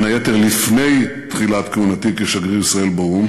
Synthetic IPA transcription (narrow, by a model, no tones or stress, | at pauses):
najet̪eʁlifne̞j | t̪χilat̪keunat̪ikeʃaɡʁiisʁae̞lbaum